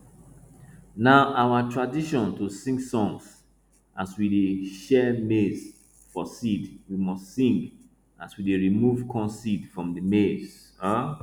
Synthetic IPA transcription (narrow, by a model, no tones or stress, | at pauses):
naʊʔawatʰɹadiʃɔ̃ntusĩŋɡsɔ̃ŋs | ʔaswideʃɛmes | fɔsidwimɔstsĩŋɡ | aswideɹimuvkʰɔ̃nsidfɹɔ̃mdəmes